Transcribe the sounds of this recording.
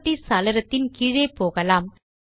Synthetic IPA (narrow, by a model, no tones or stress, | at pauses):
ʈːisɐlɪɾɐt̪ːɪnkiːɻeːpoːɣɐlaːm